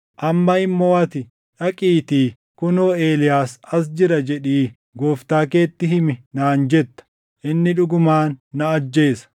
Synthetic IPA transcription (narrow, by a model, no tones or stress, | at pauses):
ʔɐmːɐɪmːoːɐt̪ɪ | ᶑɐkʼiːt̪iː | kʊnoːe̞ːlɪjaːsɐs̬d͡ʒɪɾɐd͡ʒɛᶑiː | ɡoːft̪aːkeːt̪ːɪɦɪmɪnaːnd͡ʒɛt̪ːɐ̥ | ʔɪnːɪᶑʊɡʊmaːnːɐɐd͡ʒːe̞ːsɐ̥